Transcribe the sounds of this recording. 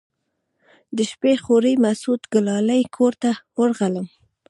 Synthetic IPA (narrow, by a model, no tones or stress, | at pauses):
d̪əʃpexoɾimasut̪ɡʊlɑlajkʰoɾt̪awəɾɣaləm